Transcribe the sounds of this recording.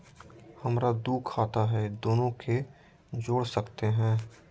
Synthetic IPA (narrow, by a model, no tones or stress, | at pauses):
hɐmɾad̪uːkʰaːt̪aɦɛd̪oːnõkʰe | d͡ʒoːɽsəkt̪eɦɛ̃ː